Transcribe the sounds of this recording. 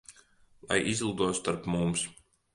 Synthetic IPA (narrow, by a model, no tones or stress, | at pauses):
lˠa̰jʔizlˠuːd̪uɔst̪aɾpmums